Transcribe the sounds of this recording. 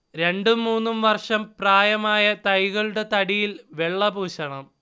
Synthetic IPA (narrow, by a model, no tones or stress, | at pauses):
ɾe̞ɳɖɨmuːnːumʋɐrʂɐmpraːjɐmaːjɐt̪ɐjɣɐɭuɽe̞t̪ɐɽijilʋe̞ɭːɐbuːɕɐɳɐm